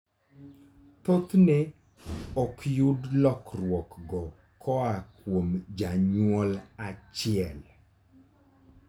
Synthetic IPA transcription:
t̪ot̪ne | ɔkjudlɔkrwɔkɡɔ | kʰɔakwomd͡ʒaɲwɔlat͡ʃɪɛl

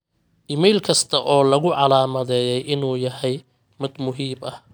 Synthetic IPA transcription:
ʔɪmɛjlkʰɐst̪ʰɐʔɔːlɐɣʊʕɑlaːmɐðɛːjɛjʔɪnuːjɐɦɛj | mɪd̪mʊɦiːmɐh

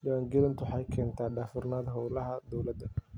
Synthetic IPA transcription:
jaːŋɡɪlɐnt̪ʰwʊħɑjkʰɛːnt̪ʰaːɖaːfʊrnaːd̪ɦɔwlɐɦɐd̪ɔwlɐd̪ɐ

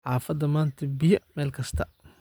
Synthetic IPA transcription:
ħɑːfɐd̪ɐmaːnt̪ʰɐbɪjɐmɛːlkʰɐst̪ʰɐ

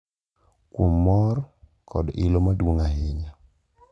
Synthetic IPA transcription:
kwomːɔɾ | kʰɔdɪlomadwoŋaɦɪɲa

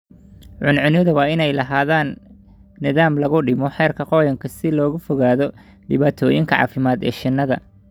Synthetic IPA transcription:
ʕʊnʕʊnɪðɐwɑːɪnɛjlɐɦaːðaːnː | ɪðaːmlɐɣʊɖɪmɔħɛːrkʰɐqɔːjɐŋkʰɐsɪlɔːɣʊfɔɣaːðɔ | ɖɪβaːt̪ʰɔːjɪŋkʰɐʕɑ̰ːfɪmaːd̪ɛ̰ːʃɪnːɐðɐ̰

